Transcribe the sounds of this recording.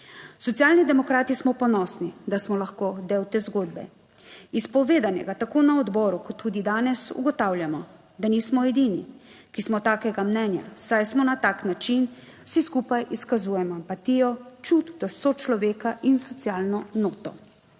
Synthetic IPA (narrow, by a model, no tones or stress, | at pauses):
sɔt̪sjaːlnid̪ɛmɔkɾaːt̪ismɔpɔnɔːsnid̪asmɔlaxkod̪ewt̪ezɡoːd̪bɛ̰ | ispɔʋeːd̪anjɛ̰ɡat̪akoːnaɔd̪bɔːɾukɔt̪ʰːuːd̪id̪aːnɛsṵɡɔt̪awljamɔ | d̪anismɔɛd̪inikismɔt̪aːkɛɡamnɛːnja̰sajsmɔnat̪aːknat͡ʃin | wsiskuːpajʔiskazuːjɛmɔampat̪ijɔt͡ʃut̪d̪ɔʃsot͡ʃlɔʋeːkaʔinsɔt̪sjaːlnɔnoːt̪ɔ